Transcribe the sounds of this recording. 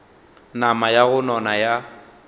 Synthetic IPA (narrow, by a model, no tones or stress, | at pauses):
namajaɣʊnɔnaja